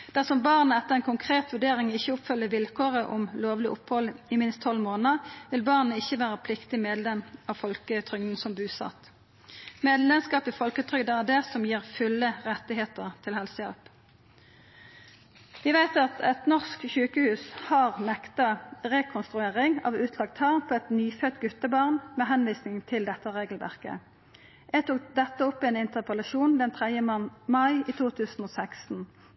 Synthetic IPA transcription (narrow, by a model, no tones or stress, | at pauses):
d̪̥æʁsɔmbɑʁnəɛt̪ːəʁɛɪnkʰʊŋkʰʁeːt̪ʋʉɖeːʁɪŋɪçːəʊpfʉlːəʋɪlkʰoːʁəʔʊmloːʋlɪʔʊphɔlɪmɪnst̪ʰːɔlmoːnəʋɪlbɑʁnəɪçːəʋæːʁəpʰlɪkt̪ɪmeːd̪lɛmɑʋfɔlkət̪ʰʁʏŋn̩sɔmbʉːsɑ̰t̪ | meːd̪lɛmskɑːpɪfɔlkət̪ʰʁʏd̪əæd̪ɛsɔmjiːʁfʉlːəʁɛt̪ːɪɦeːt̪əʁt̪ʰɪlhɛlsəjɛ̰lp | ʋɪʋæɪt̪ɑt̪ʰɛt̪nɔʁskçʉːkəhʉːshɑːʁnɛkt̪ɑʁɛkʰʊnst̪ʁʉeːʁɪŋɑ̰ːʋʉːt̪ʰlɑk̚t̪hɑnpʰɔːɛt̪nyːfœt̪ɡʉt̪əbɑːʁnmeːɦɛnʋiːsnɪŋt̪ʰɪld̪ɛt̪ːəʁeːɡəlʋæ̰ʁkə̰ | jæɡt̪ʰʊkd̪ɛt̪ːəɔpːɛnɪnt̪əʁpəlɑʃuːnd̪ɛnt̪ʰʁɛd̪jəmɑɪiːt̪ʰuːt̪ʰʉːsn̩oːsæksn̩